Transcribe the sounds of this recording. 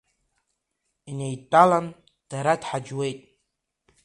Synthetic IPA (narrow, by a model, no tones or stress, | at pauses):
inejtʼalan | d̥aɾadħad͡ʒwe̞jtʼ